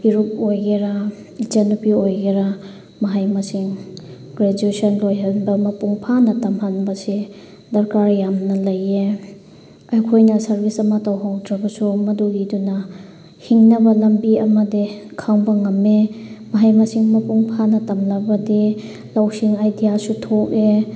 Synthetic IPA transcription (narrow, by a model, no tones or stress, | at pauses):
biɾup̚ojɡeɾa | id͡ʒɐnupiojɡeɾa | mɐɦajmɐsiŋ | ɡɾed͡ʒuesɐnlojɦanbɐmɐpuŋpʰanɐtɐmɦanbɐsi | dɐɾkaɾjamnɐlɐje | ɐjkʰojnɐsɐɾbisɐmɐtawɦawdɾɐbɐsumɐduɡidunɐ | hiŋnɐbɐlɐmbiɐmɐdikʰaŋbɐŋɐmemɐɦajmɐsiŋmɐpuŋpʰanɐtɐmlɐbɐdi | lawsiŋajdijasutʰoke